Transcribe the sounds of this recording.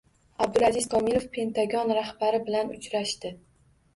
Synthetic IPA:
ab̚d̪ʊɾazɪzkʰɒmɪɾo̞fpʰe̞nt̪ʰaɡɒnɾahbaɾɪbɪlanʊt͡ʃɾaʃt̪ɪ

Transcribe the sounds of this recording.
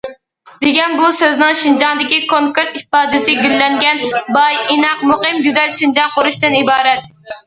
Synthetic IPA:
d̪̥eɡʲɛnbusøznɨŋʃind͡ʒɑnd̪ɪkʲikʰoŋkeɾt̪ipɑːd̪ɪsɪɡʲilːɛŋɡʲɛnbɑjinɑqmoqɨmɡʲyzɛlʃind͡ʒɑŋqʰʊɾuʃt̪ɨnibɑːɾɛt̪

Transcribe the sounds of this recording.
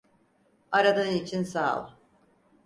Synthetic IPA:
aɾad̪anit͡ʃʰinsalˠ

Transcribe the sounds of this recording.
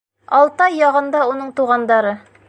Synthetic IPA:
ɒlˠt̪ɑjːɒʁɤ̆nd̪ɑunɤɴt̪uʁɑnd̪ɑɾɤ

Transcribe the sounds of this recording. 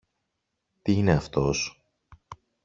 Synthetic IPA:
t̪iine̞ɐft̪o̞s

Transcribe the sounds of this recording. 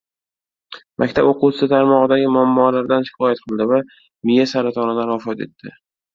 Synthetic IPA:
mʔakʲt̪ʰaboqusɪsɪt̪ʰaɾmɒʁɨd̪aɡʲɪmʊamːɒlaɾd̪anʃɪ̥kʰʲɒjat̪̚qʰɨlˠd̪ɪva | mɪjasaɾat̪ʰɒnɪlaɾvafɒt̪e̞̰t̪ʰːɪ

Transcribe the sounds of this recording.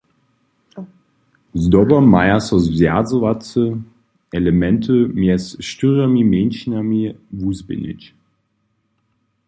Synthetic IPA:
zdɔbɐmajasɔzvzɛzovat͡sə | ɛləmɛntʰəmɛsʃtyʁamimenʃinamivuːzbɪ̰nɪ̰t͡ʃ

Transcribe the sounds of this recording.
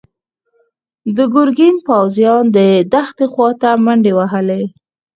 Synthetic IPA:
d̪əɡʊɾɡinpawzjɑnd̪əd̪axt̪exwɑt̪amaɳɖewaɦəle

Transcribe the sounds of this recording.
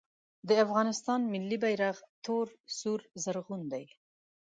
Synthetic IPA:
d̪əafɣɑnɪst̪ɑnmɪlːibajɾaɣt̪ʰoɾsuɾzaɾɣund̪aj

